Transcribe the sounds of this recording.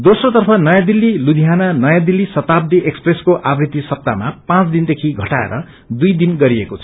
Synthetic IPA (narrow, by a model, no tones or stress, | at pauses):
d̪osrot̪ʌrpʰʌnʌjãd̪ilːilud̪ʱiɦananʌjãd̪ilːisʌt̪ab̚d̪iʔekspreskoʔabrit̪isʌb̚t̪a̰mapãt͡sd̪ind̪ekʰiɡʱʌʈaḛɾʌ | d̪ujd̪inɡʌɾiekot͡sʰʌ̥